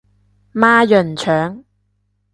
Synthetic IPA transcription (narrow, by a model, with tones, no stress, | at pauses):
maː˥jɵ˨˩nt͡ʃʰœː˨˥ŋ